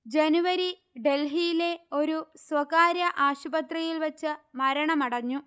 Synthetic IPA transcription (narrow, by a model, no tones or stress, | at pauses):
d͡ʑenuʋɐɾi | ɖe̞lɦijile̞o̞ɾuswɐkaːɾjɐʔaːɕubɐt̪rɐjilʋɐt͡ɕːɨmɐɾɐɳɐmɐɽɐɲːu